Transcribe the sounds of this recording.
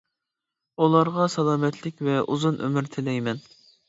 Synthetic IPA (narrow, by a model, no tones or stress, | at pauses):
ulˠɑɾʁɑsɑlˠɑːmɛt̪ʰlɪkʲvɛʔuzunʔø̰mɪɾt̪ʰɪlɛjmɛn